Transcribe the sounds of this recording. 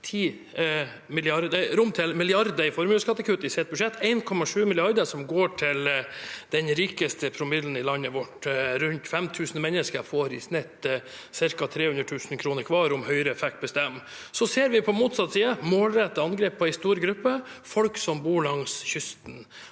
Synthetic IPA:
t̪ʰiː | mɪlɪɑɾd̪ɾʊmt̪ʰɪlmɪlɪɑɾd̪əɾɪfɔɾmʉːskɑt̪ːəkʰʋʉt̪ːəɪseːt̪̚bʉʂɛt̪ːæɪnkʰɔmɑʂʉːmɪlɪɑɾd̪əʂɔmɡoːʈʰɪld̪̥ɛnɾiːkəst̪əpʰɾʊmɪd̪ln̩ɪlɑnːəʋɔʈɾʉnt̪fɛmt̪ʰʉːsn̩mɛnːəskəɾfoːɾɪ̰snɛt̪ː | sɪɾkɑt̪ʰɾeːhʉnd̪ɾəʈtʰʉːsn̩kʰɾuːnəɾkʰʋɑːɾʊmhœʏɾəfɛk̚t̪̚bəst̪ɛmː | sɔseːɾʋɪpʰɔmuːt̪sɑt̪ːsiːəmoːlɾɛt̪ːəɑnɡɾeːpʰːɔɛɪst̪uːɾɡɾʉpːəfɔlksɔmbuːɭɑŋsçʏst̪n̩

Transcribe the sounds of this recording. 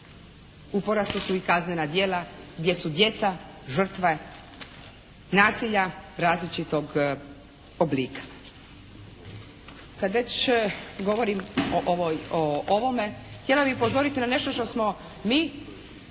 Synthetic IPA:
upo̞ɾast̪usuikaznenad̪je̞ːlaɡd̪je̞sud̪je̞t̪saʒr̩t̪ʋe | naːsiʎaɾaːzlit͡ʃit̪o̞ɡ | obliːkʰḁ | kad̪ʋe̞t͡ɕɡo̞ʋo̞ɾimoʔoojooʋo̞me̞xt̪je̞lˠabixupo̞zo̞ɾit̪inane̞ʃt̪o̞ʃt̪o̞smo̞ | miː

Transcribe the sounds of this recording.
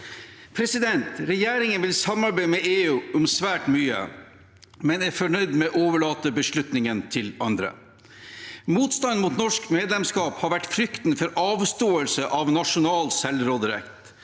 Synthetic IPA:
pʰɾɛsɪd̪ɛnt̪ɾɛjeːɾɪŋənʋɪlsɑmɑɾbæɪmɛeːʉːʔʊmsʋæːʈmyːə̰ | mɛnæɾfɔɳœʏd̪mɛʔoːʋəɭɑːt̪əbəʂɭʉt̪nɪŋənt̪ʰɪlɑnd̪ɾə̰ | muːt̪st̪ɑnmuːt̪nɔʂkmeːd̪lɛmskɑːphɑɾʋæʈfɾʏkt̪n̩fɔɾɑːʋst̪oːəlsəʔɑʋnɑʂʊnɑːlsɛlɾɔːd̪ɾɛ̰kt̪

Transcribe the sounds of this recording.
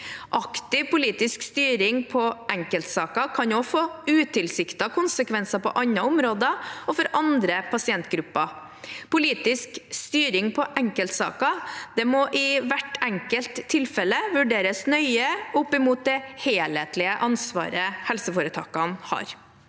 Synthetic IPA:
ʔɑkt̪ɪʋpʊliːt̪ɪskst̪yːɾɪŋpʰɔʔɛŋkəlt̪sɑːkɑkʰɑnɔfoːʉːt̪ʰɪlsɪkt̪ɑkʰʊnsəkʋɛnsɑpɔ̰ʔɑnɑʊmɾoːd̪əɔfɔɾʔɑnd̪ɾəpʰɑsɪɛnt̪ɡɾʉpːɑ | pʊliːt̪ɪskst̪yːɾɪŋpʰɔʔɛŋkəlt̪sɑ̰ːkɑd̪̥ɛmɔʔɪʋæʈɛŋkəlt̪ʰːɪlfɛlːəʋʉɖeːɾəsnœʏəʊpːɪmuːt̪̚d̪ɛheːlheːt̪lɪəʔɑnsʋɑ̰ːɾəhɛlsəfoːɾət̪ʰɑ̰ːkɑnhɑ̰ːɾ

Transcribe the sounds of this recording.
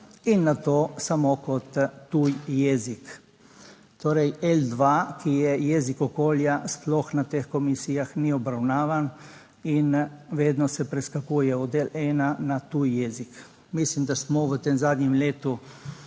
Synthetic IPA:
inːat̪oːsamokɔt̪ːuːjjɛzik | t̪oːɾɛjɛld̪ʋakijɛjɛːzikɔkoːljasplɔxnat̪eːxkɔmisijaxniɔbɾawnaːʋan | inʋeːd̪nɔsɛpɾɛskakuːjɛɔd̪eːlɛːnanat̪uːjːɛːzik | mislimd̪asmɔʋət̪emzaːd̪ɲɛmleːt̪u

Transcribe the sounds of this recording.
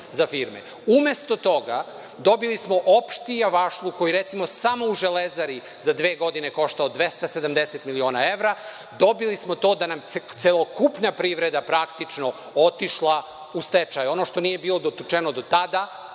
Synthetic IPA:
zafiɾmḛ | ume̞st̪o̞t̪o̞ɡa | d̪o̞bilismo̞ʔopʃt̪ijaʋaʃlˠuko̞jiɾet̪simo̞samo̞uʒelezaɾi | zad̪ʋe̞ːɡo̞d̪ine̞ko̞ʃt̪aod̪ʋe̞st̪ase̞d̪amd̪eset̪milio̞ːnaeʋɾa | d̪o̞bilismo̞t̪o̞ːd̪anamt̪selˠokupnapɾiʋɾe̞d̪apɾakt̪it͡ʃno̞ | ot̪iʃlˠa | ust̪et͡ʃajuo̞no̞ʃt̪onije̞biːlˠo̞d̪ot̪ut͡ʃenod̪o̞t̪ad̪a

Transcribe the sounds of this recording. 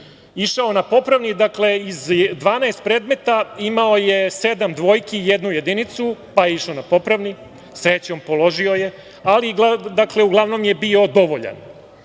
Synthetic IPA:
iʃaonapo̞pɾaʋnid̪akle̞izd̪ʋaːnaest̪̚pɾeːd̪me̞t̪aimaojesed̪amd̪ʋojkejed̪nuje̞d̪init̪supajeiʃaonapo̞pɾaʋni | sɾet͡ɕo̞mpo̞lo̞ʒioje̞ | aliɡlad̪akle̞uɡlˠaʋno̞mje̞bio̞d̪o̞ʋoʎa̰n

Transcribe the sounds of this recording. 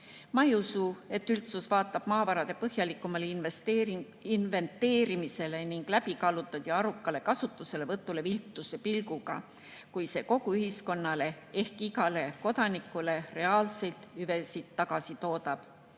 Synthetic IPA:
mɑiusue̞t̪ːˑylt̪susvɑːt̪ːˑɑb̥mɑːvɑɾɑd̪̥e̞pɤɦjɑlikːˑumɑleei | inve̞nt̪ːe̞ːɾimise̞le̞niŋɡ̥læbikɑlut̪ːˑɑt̪jɑɑɾukːˑɑle̞kɑsut̪ːˑuse̞le̞vɤt̪ːˑule̞vilt̪ːuse̞pilɡuɡ̥ɑ̰ | kujse̞ːko̞ɡuyɦisko̞nːɑle̞ | e̞hkiɡɑle̞ko̞d̪ɑnikːˑule̞re̞ɑːlse̞lt̪yve̞sit̪ːɑɡɑsit̪o̞ːd̪ɑb̥

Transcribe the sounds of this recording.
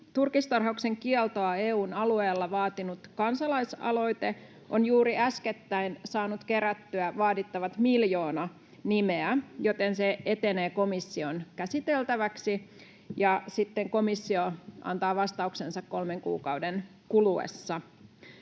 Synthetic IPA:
t̪urkist̪ɑrɦɑukse̞ŋkielt̪oɑeːuːnɑlueːlːɑʋɑːt̪inut̪kɑnsɑlɑjsɑ̰lo̞ijt̪e | ʔonjuːɾiæsket̪ːæinsɑːnut̪keɾæt̪ːyæʋɑːdit̪ːɑʋɑt̪miljo̞ːnɑ | nimeæjo̞t̪enseet̪eneːko̞misːionkæsit̪elt̪æʋæksi | jɑsit̪ːeŋko̞misːioʔɑ̰nt̪ɑːʋɑst̪ɑuksensɑkko̞lmeŋkṵːkɑuden | kuluḛsːɑ

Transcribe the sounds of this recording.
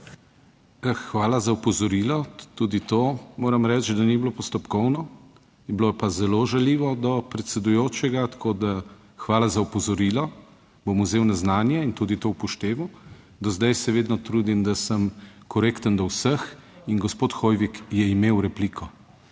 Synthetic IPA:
əxʋaːlazaupɔzɔɾilɔt̪uːd̪it̪omoːɾɐmɾɛt͡ʃd̪aniblopɔst̪ɔpkɔwnɔ | bloɛpazɛloʒaliːʋɔd̪ɔpɾɛt̪sɛd̪ujoːt͡ʃɛɡat̪kod̪a | xʋaːlazaupɔzɔɾilɔ | bomuzeːwnaznaːnjaint̪uːd̪it̪owpɔʃt̪eːʋaw | d̪ɔzd̪ajsɛʋeːd̪nɔt̪ɾuːd̪imd̪asəmkɔɾeːkt̪ənd̪ɔwsəxinɡɔspoːt̪xojʋikjɛimeːwɾɛpliːkʰɔ

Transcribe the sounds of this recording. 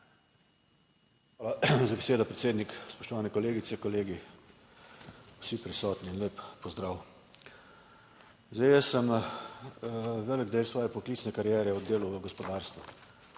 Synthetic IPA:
xʋaːlazabeseːd̪ɔpɾɛt̪seːd̪nikspɔʃt̪ɔʋaːnɛkɔleːɡit̪ɛkɔleːɡi | wsipɾisɔːt̪niːnleːpːɔzd̪ɾaːw | zd̪ajəsəm | ʋɛːləɡd̪eːlsʋɔːjɛpɔkliːtsnɛkaɾjɛːɾɛɔd̪eːluʋəɡɔspɔd̪aːɾst̪ʋu

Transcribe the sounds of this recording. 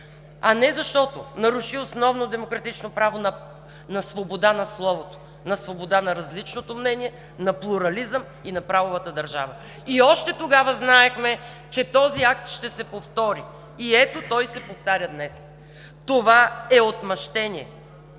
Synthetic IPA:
ɐnɛzɐʃt̪ɔt̪onɐɾuʃiosnɔvnod̪ɛmokɾɐt̪it͡ʃnopɾavonɐ | nɐsvobod̪anɐslˠɔvot̪o̥ | nɐsvobod̪anɐɾɐzlit͡ʃnot̪omnɛnʲiɛ | nɐplˠuɾɐlizəm | inɐpɾavovət̪əd̪ɐɾʒa̰və | iɔʃt̪ɛt̪oɡavəznaɛxmɛ | t͡ʃɛt̪ɔziakt̪ʃt̪ɛsɛpoft̪ɔɾi | iɛt̪ot̪ɔjsɛpoft̪aɾʲəd̪nɛs | t̪ovaɛot̪mɐʃt̪ɛnʲiɛ̰

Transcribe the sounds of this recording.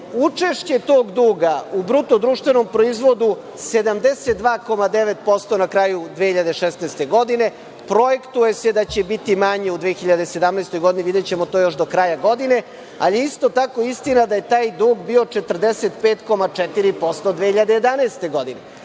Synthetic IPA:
ut͡ʂeʃt͡ɕe̞t̪o̞ːɡd̪uːɡaubɾut̪od̪ɾuːʃt̪ʋe̞no̞mpɾo̞izʋo̞d̪u | se̞d̪amd̪eset̪̚d̪ʋaːko̞mad̪eʋet̪̚po̞st̪o̞nakɾaːjud̪ʋeçiʎad̪eʃesnaːst̪e̞ɡo̞d̪ine̞ | pɾo̞je̞kt̪uje̞se̞d̪at͡ɕe̞bit̪imaɲe̞ud̪ʋexiʎad̪ese̞d̪amnaːst̪o̞jɡo̞d̪iniʋid̪et͡ɕe̞mot̪o̞ːjo̞ʃd̪o̞kɾajaɡo̞d̪ine̞ | alijeist̪o̞t̪ako̞ist̪inad̪aje̞t̪aːjd̪uːɡbio̞t͡ʂet̪r̩d̪eset̪peːt̪ko̞mat͡ʂɛt̪iɾipo̞st̪od̪ʋexiʎad̪ejed̪anaest̪e̞ɡo̞d̪ine

